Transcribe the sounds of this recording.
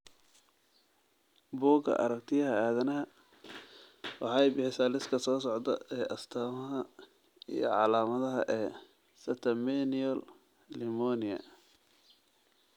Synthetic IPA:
buːɡɐ̰ʔɐ̰ɾɐkt̪ʰɪjɐɦɐaːðɐnɐɦɐ | wɑ̰ħɑːɛjbɪħɪsaːlɪskʰɐsɔːsɔʕd̪ɐ̰ɛːʔɐst̪ʰaːmɐɦɐ | ḭjɔ̰ʕɑlaːmɐðɐɦɐ̰ʔɛː | sɐt̪ʰɐmɛniɔl | lɪmɔnɪɐ̰

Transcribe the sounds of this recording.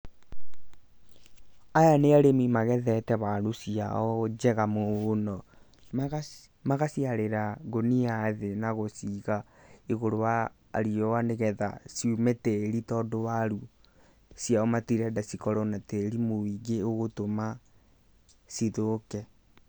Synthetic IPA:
ajaneaɾemimaɣɛðɛtɛβaɾusia̰ɔd͡ʒɛɣamoːnɔ | maɣasiaɾeɾaɡoniaðenaɣosiɣa | eɣoɾowa̰ː | ɾiɔwaneɣɛða̰siumɛteɾitɔːdowaɾu | siaɔmatiɾɛdasikɔɾɔnateɾimowiɡeoɣotoma | siðokɛ

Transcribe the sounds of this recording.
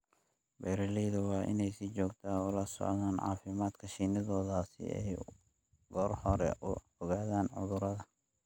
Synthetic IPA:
bɛɾɪliːðɐwɑːʔɪ̰nɛjsit͡ʃɔːɡt̪ʰaːʊlɐsɔ̰ʕðaːnʕɑ̰ːfɪmaːd̪kʰɐʃiːnɐðɔːðaːsɪ̰ɛ̰j | ɡ̥ɔːrhɔɾɛ̰ʔʊ | ɔɣaːðaːnʕʊðʊɾɐðɐ

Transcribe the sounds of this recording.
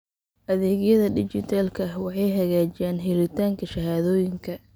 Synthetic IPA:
ʔɐðɛːɣjɐðɐɖɪt͡ʃɪt̪ʰaːlkʰɐwɑħɑjɦɐɣaːt͡ʃɪjaːnɦɪɾɪt̪ʰaːŋkʰɐʃɐɦaːðɔːjɪŋkʰɐ

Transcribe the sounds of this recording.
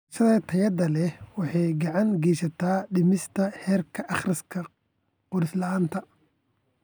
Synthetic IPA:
ʃɐðɐt̪ʰɐjɐd̪ɐlɛwɑħɑjɡɑʕɑŋɡɛjsɐt̪ʰaːɖɪmɪst̪ʰɐhɛːrkʰɐʔɑχrɪskʰɐ | qʊɾɪslɐaːnt̪ʰɐ

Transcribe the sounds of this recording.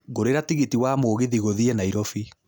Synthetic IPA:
ɣoɾeɾatiɣitiwaːmoːɣiðiɣoðiɛnaiɾɔfi

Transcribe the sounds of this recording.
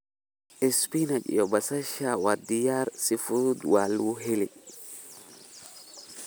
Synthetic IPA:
ʔɛspinad͡ʒḭjɔbasaʃawadijaɾsifud̪waluɦeli

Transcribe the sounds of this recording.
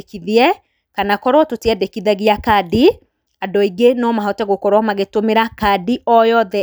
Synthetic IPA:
kiðiɛ | kanakɔɾwɔtoteɛdekiðaɣiakadi | adɔiɡenɔmaɦɔtɛɣokɔɾwɔmaɣetomeɾakadiɔjɔðɛ

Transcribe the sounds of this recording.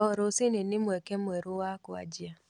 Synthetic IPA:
ɔɾosɪnenɪmwɛkɛmwɛɾowakʊa̰d͡ʒja

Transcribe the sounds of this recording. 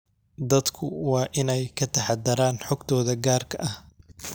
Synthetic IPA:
d̪ɐd̪kʰʊwɑːʔɪnɛjkʰɐt̪ʰɐħɑd̪ɐɾaːnħɔɡt̪ʰɔːðɐɡaːrkʰɐʔɐh

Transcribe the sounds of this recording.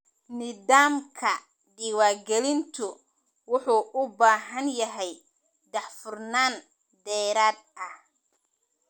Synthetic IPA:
nɪðaːmkʰɐ | ɖiːwaːɡɛlɪnt̪ʰʊ | wʊħuːʔʊbaːɦɐnjɐɦɛj | d̪ɑħfʊrnaːn | d̪ɛːɾaːd̪̚ɐh

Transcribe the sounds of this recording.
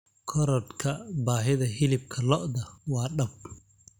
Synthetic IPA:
kʰɔɾɔd̪kʰɐbaːɦɪðɐɦɪlɪb̚kʰɐlɔʔd̪ɐwɑːɖɐb̚

